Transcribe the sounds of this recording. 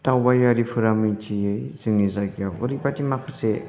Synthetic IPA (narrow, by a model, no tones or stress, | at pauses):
tawbajaɾipʰɯɾamijtʰijɯjz̥ɯŋizaɡjawɯɾibatimakʰɯ̥se